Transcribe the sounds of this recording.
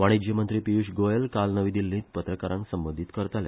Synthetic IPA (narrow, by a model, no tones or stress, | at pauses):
ʋaɽ̃id͡ʑemənt̪ɾiːpiuʂɡojelkalnəʋid̪ilːĩːt̪̚pət̪ɾəkaɾãŋksəmbəd̪ʱit̪kəɾt̪alḛ